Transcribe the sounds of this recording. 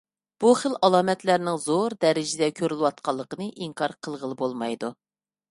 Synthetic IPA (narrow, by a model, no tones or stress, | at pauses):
b̥uχəlʔɑlˠɑːmɛt̪læɾnɪŋzoɾd̪ɛɾɪd͡ʒɪd̪ɛkʲʰøɾylˠɨwɑt̪̚qʰɑlˠːəqənɨʔiŋkʰɑɾqʰəlˠʁəlˠɨbolˠmɑjd̪u